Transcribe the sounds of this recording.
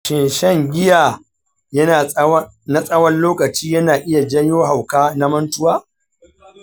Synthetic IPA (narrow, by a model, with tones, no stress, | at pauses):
ʃɪ˨nʃɛ˦ŋɡʲɪ˦jaː˨ | jɐ˦˨˦ | na˦sʼɐ˦wɐ˦nloː˦kɐ˨t͡ʃiː˦jɐ˦naː˨ʔɪ˦ja˨d͡ʒɐ˦joː˦ɦa˨wkaː˦na˦mɐ˦ntʊ˦waː˦